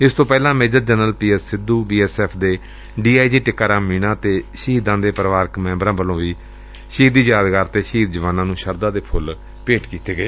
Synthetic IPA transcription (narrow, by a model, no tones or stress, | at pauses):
ɪst̪õːpɛːlãːmeːd͡ʒəɾd͡ʒənəlpiːɛːsɪd̪ːuːbiːɛːsɛːpʰd̪eː | ɖiːaːiːd͡ʒiːʈɪkːaːɾãːmmiːnãːt̪eːʃiːd̪ãːd̪eːpɾəʋaːɾkmɛ̃ːmbɾãːbəlõːʋiː | ʃiːt̪ːiːjaːd̪ɡaːɾt̪eːʃiːd̪̚d͡ʒəʋaːnãːnũːʃəɾd̪ãːd̪eːpʰʊl | peːʈkiːt̪eːɡəeː